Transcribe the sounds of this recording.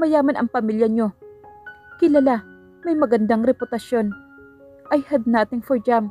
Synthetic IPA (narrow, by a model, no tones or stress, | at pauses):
mɐjaːmɐnʔɐŋpɐmiljɐɲo̞ | kɪlɐla | mɐjmɐɡɐnd̪aŋɾɛpʊt̪ɐʃjo̞n | ʔɐjhɐd̪̚naːt̪ɪŋfoɹd͡ʒam